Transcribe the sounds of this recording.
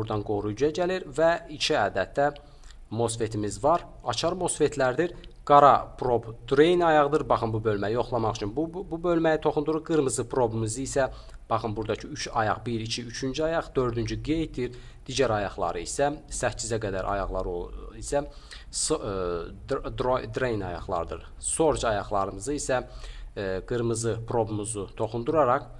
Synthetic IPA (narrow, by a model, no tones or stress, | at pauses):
buɾd̪ɑnɡo̞ɾujyjæɟæliɾvæit͡ʃʰiæːd̪æt̪̚ːæ | mo̞sfe̞t̪ʰimizvɑɾ | ɑ̰t͡ʃʰɑɾmo̞sfet̪ʰlæɾd̪iɾɡ̥ɑɾɑpʰɾo̞bd̪ɾejnɑjɑʁɯd̪ɯɾbɑχɯmbubø̞lmæjo̞χlˠɑmɑχt͡ʃʰynbbubølmæjit̪ʰo̞χund̪uɾuɾɡɯɾmɯzɯpʰɾo̞bmɯzɯisæ | b̥ɑχɯmbuɾd̪ɑcʰiyt͡ʃʰɑjɑ̰ʁbiɾit͡ʃʰiyt͡ʃʰynd͡ʒyɑjɑʁd̪ø̞ɾd̪ynd͡ʒyɡejt̪̚d̪iɾ | d̪̥iɟæɾɑjɑʁlˠɑ̰ɾɯisæsæizæɡæd̪æɾʔɑ̰jɑɣlˠɑɾoisæ | s | d̪od̪ɾejnɑ̰jɑ̰ʁlˠɑ̰ɾɯd̪ɯ̰ɾ | so̞ɾt͡ʃɑjɑʁlˠɑɾɯmɯzɯisæ | ɡ̥ɯɾmɯzɯpʰɾo̞bmuzut̪ʰo̞χund̪uɾɑɾɑq